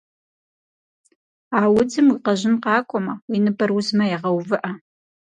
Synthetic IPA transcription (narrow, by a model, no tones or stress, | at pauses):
aːwʊd͡zɨmwiqɐʑɪnqɑːkʷʼɔmɐwinɨbɐrwʊzmɐjɛʁɐwvɨʔɐ